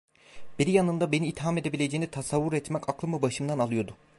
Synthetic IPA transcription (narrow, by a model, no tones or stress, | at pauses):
biɾijanɯnd̪abe̞niːt̪ʰːiɦame̞d̪ebilʲe̞d͡ʒeːnit̪ʰasavːuɾɛt̪mɛkʰaklˠɯmɯbaʃɯmd̪analˠɯjo̞d̪ʊ